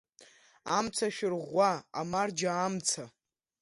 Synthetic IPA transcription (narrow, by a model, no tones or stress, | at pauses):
a̰mt͡sʰaʃᶣɪrʁʷaamard͡ʒaːmt͡sʰa